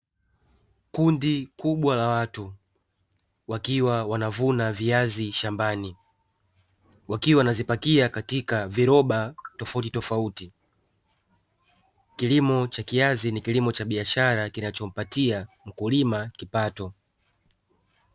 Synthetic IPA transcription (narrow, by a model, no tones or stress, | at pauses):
kundikuɓwalawatu | wakiwawanavunaviaziʃambani | wakiwawnazipakiakatikaviɾɔɓatɔfautitɔfauti | kilimɔt͡ʃakiazinikilimɔt͡ʃaɓiaʃaɾakinat͡ʃɔm̩patia | m̩kulimakipatɔ